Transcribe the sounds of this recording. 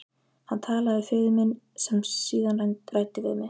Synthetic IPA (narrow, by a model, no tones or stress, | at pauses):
hant̪ʰaːlaðɪfʏɥðʏmɪn | sɛmsiːðanrajnt̪ɾajt̪ɪvɪðmɛ